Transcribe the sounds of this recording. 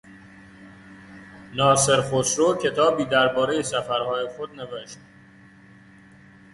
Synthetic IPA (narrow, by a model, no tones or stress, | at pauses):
nɒːse̞ɾxosɾocʰe̞t̪ʰɒːbiːd̪æɾbɒːɾejesæfæɾhɒːjexod̪̚neveʃt̪̚